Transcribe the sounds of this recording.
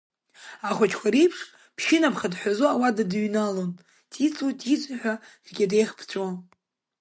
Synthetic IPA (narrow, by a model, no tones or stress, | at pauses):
aχʷat͡ʃʰkʷʰaɾijpʰʂ | pʰʃɪnapʰχadħʷᶣazoawadadɥnalon | tʼit͡sʼutʼit͡sʷʼaħʷᶣa | rɡʲadejχpʰt͡ɕʷʼon